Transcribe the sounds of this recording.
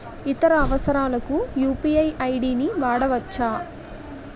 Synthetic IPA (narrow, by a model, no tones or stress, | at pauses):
it̪ɐɾɐːʋɐsɐɾaːlɐkujuːpiɐjɐjɽiːniʋaːɽɐʋɐt͡ʃːaː